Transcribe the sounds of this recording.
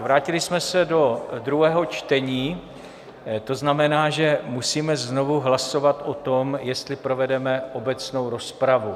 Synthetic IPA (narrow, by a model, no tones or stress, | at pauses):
vɾaːcɪlɪsmɛsɛdo̞d̪ɾuɦɛːɦo̞t͡ʃt̪ɛɲiː | t̪o̞znamɛnaːʒɛmusiːmɛzno̞vuɦlaso̞vat̪ʔot̪o̞mjɛst̪lɪpɾo̞vɛdɛmɛʔo̞bɛt͡sno̞wɾo̞spɾavu